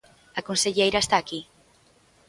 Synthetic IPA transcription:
akonseʎejɾaest̪aːki

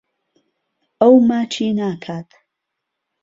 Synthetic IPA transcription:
owmat͡ʃʰinaːkʰat̪ʰ

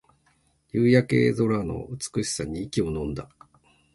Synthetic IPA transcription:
jɯːjake̞̰ːzo̞ɾano̞̰ɯ̟t͡sɨ̥kɯ̟ɕi̥saɲ̟iːkʲio̞nõ̞nd̪a

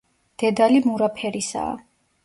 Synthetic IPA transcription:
d̪̥ɛd̪alimuɾapʰɛɾisa̰ː

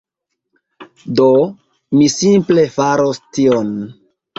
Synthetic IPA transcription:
do | misimple̞faɾostion

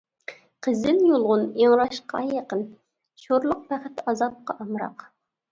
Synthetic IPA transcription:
qʰəzɪnjolˠʁʊneŋɾɑʃqɑjɑqən | ʃoɾlˠʊq̚bæχɪt̪ɑzɑp̚qɑʔɑmɾɑ̰q

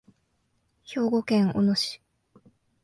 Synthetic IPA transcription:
ço̞ːɡo̞kẽŋʔo̰noɕi̥

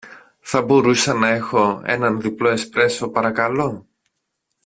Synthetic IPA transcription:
θɐbo̞ɾusɐnɐe̞xo̞e̞̰nɐnðiplo̞espɾe̞so̞pɐɾɐkɐlo̞

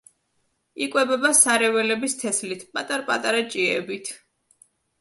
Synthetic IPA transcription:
ikʼwɛbɛbasaɾɛvɛlɛbist̪ʰɛslit̪ʰpʼat̪ʼaɾpʼat̪ʼaɾat͡ʃʼiɛ̰bit̪ʰ

